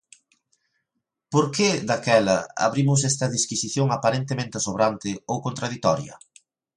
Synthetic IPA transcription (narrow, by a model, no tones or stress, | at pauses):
poɾked̪akɛlɐ̰a̰βɾimʊs̬ɛst̪ɐðiskisiθjoŋapaɾent̪emẽnt̪asoβɾant̪ɪowkont̪ɾaðit̪ɔɾjɐ̰